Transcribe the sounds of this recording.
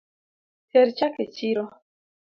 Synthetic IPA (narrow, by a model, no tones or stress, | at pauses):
tɛɾt͡ʃaket͡ʃiɾɔ